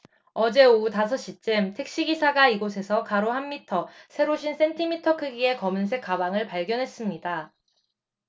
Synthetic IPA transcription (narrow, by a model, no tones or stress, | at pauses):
ʌd͡ʑe̞otas̬ʰʌɕ͈it͡ɕ͈emtʰe̞k̚ɕ͈iɡisʰaɡaiɡosʰe̞sʰʌkaɾohamːitʰʌsʰe̞ɾoɕʰins͈e̞ntʰimitʰʌkʰɯɡie̞kʌmɯnsʰe̞k͈ːabaŋɯɭpaɭɡjʌnɦe̞s͈ɯmɲida